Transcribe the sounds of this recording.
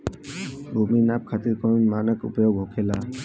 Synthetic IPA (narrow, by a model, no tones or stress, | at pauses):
bʱuminap̚kʰat̪iɹkɔɹmanəkṵpɔjɔɡɦokʰɛla